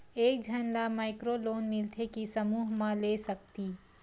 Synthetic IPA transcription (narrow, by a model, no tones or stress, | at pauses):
eːk̚d͡ʒʱɐnlamaːɪkɾoloːnmɪlt̪ʰekisɐmuːɦmãleːsɐk̚t̪iː